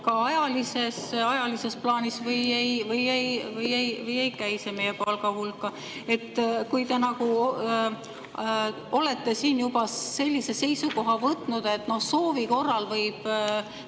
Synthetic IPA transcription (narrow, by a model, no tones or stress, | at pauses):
kɑɑjɑlise̞sɑjɑlise̞splɑːnisvɤjejvɯjejvɯje̞jvɯje̞jkæjsemejepɑlɡɑɦulkːˑɑ | e̞t̪ːkujt̪e̞nɑɡu | o̞le̞t̪ːe̞siːnjubɑse̞lʲːise̞se̞jsuko̞ɦɑvɤt̪ːˑnud̪̥e̞t̪ːˑno̞hso̞ːviko̞rːɑlvɤjb̥